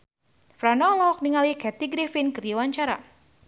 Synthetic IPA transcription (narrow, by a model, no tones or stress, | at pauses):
fɾanɔlɔk̚niŋalikɛt̪iɡɾefinkɨrjiwaɲt͡ʃaɾa̰